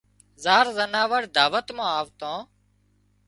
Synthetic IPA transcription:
zaːɾzənaːʋəɽd̪aːʋət̪mãːaːʋt̪õː

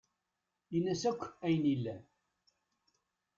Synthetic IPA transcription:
inːæsækʷːæjnilːæ

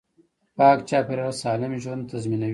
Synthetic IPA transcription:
paːkt͡ʃaːpeɾɐlsaːlɪmʒuwunt̪ɐzminɐ

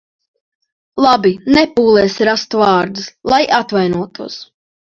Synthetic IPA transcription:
lˠabinɛpuːlˠɛːsɾast̪uvɑːɾd̪uslˠajʔat̪vajnuɔt̪uɔs

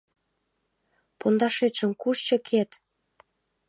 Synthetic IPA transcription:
pond̪ɑʃeʃə̆mkuʃt͡ɕɤ̆kʰet̪

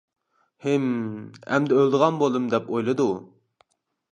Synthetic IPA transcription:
hemɛ̰md̪ɛølˠd̪əʁɑnbolˠd̪ɨmd̪ɛpojlˠɨd̪u

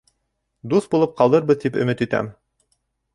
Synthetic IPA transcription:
d̪usbulˠɤp̚qɑlˠd̪ɤɾβɤðt̪ipɵ̰̆mɘt̪it̪æ̰m

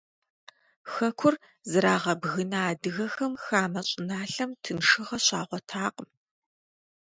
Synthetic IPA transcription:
xɐkʷʰʊr | zɨɾaːʁɐbɣɨnaːdɨɣɐxɐmxaːmɐɕʼɪnaːɬɐmtʰɨnʂɨʁɐɕaːʁʷɔtʰaːqʼəm

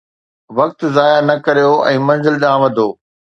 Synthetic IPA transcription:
ʋɐk̚t̪zaːjanɐkɐɾijoɛ̃ːmɐ̃nzɪlɗãːʋɐd̪ʱoː

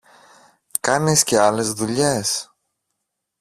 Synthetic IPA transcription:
kɐnisce̞ɐle̞zðuʎe̞s

